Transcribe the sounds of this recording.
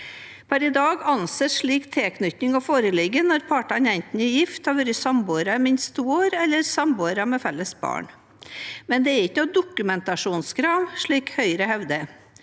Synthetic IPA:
pʰæɾɪd̪ɑːɡɑnseːʂɭiːkt̪ʰeːknʏt̪nɪŋɔfoːɾəlɪɡənɔɾpʰɑːʈɑnɛɪnt̪n̩ɪjɪft̪hɑʋʉɾəsɑmboːɾɑmɪnst̪ʰuːoːɾɛlːəɾsɑmboːɾɑmɛfɛlːəsbɑ̰ːɳ | mɛnd̪ɛæɾɪçnuːd̪ʊkʉmɛnt̪ɑʂuːnskʰɾɑːʋʂɭiːkhœʏɾəhɛʋd̪ə

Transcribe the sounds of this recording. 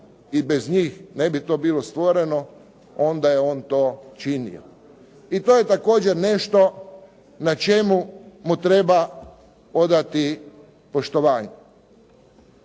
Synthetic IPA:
ibezɲiːxne̞bit̪o̞ːbiːlost̪ʋo̞ɾeno | ond̪ajeoːnt̪o̞ːt͡ʃinḭo̰ | it̪oːje̞t̪ako̞ːd͡ʑeɾne̞ʃt̪o̞ | nat͡ʃe̞mumut̪ɾe̞ba | od̪at̪i | po̞ʃt̪oʋaːɲe

